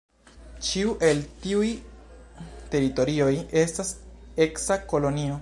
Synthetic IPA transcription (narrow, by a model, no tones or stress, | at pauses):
t͡ʃiuʔe̞ltiuj | te̞ɾito̞ɾio̞je̞stase̞ksako̞lo̞nio̞